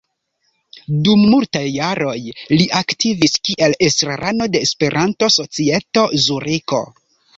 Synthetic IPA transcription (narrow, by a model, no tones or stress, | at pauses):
dumːultajːaɾo̞jliʔaktiviskiʔelestɾaɾʔano̞de̞ːspe̞ɾʔanto̞so̞t͡sie̞to̞zuɾiko̞̰